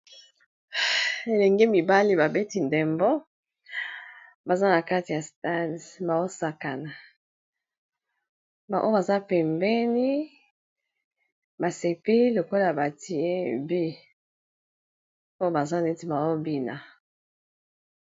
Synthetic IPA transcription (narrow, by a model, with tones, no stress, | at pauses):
e˨lɛ˨ŋɡe˦mi˨ba˦li˦ba˨be˦ti˨ndɛ˨mbo˦ | ba˨za˦na˨ka˦ti˨ja˨sta˦nba˨wo˦sa˨ka˨na˨ | ba˨ʔo˦ba˨za˦pɛ˨mbɛ˦ni˦ | ba˨se˨pe˦lo˨ko˦la˨a˨ba˨ti˨e˦bi˦ | o˦jo˦ba˨za˦ne˦ti˨ba˨o˦bi˦na˨